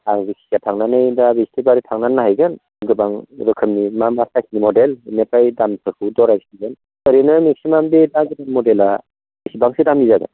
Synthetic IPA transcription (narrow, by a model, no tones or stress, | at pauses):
aŋzik̚si̥sijatʰaŋnanɯjdabestibaɾitʰaŋnanaɦajɡɯn | ɡɯbaŋɾɯkʰɯmnimamasakinimɔdelinepajdampʰɯɾkʰudɔɾajsiɡɯn | kəɾenɯmek̚simambedaɡɯbanmɔdela | esibaŋsedamizaɡɯ̰n